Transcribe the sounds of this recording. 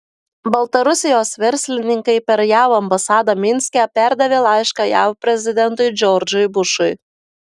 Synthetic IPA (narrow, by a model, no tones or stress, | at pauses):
bɐlˠt̪ɐɾʊsʲɪjoːsʋʲɛɾʲsʲlʲɪnʲɪŋkɐɪpʲɛɾjæwɐmbɐsɑd̪ɐmʲɪnʲsʲkʲæpʲæɾd̪ɐʋʲeːlˠɑɪʃkɑjæwpʲɾʲɛzʲɪd̪ʲɛnt̪ʊjd͡ʒʲɔɾd͡ʒʊjbʊʃʊj